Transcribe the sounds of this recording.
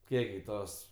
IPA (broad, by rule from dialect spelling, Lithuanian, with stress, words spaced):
ˈkʲiɛk ɡʲɪ ˈtoːs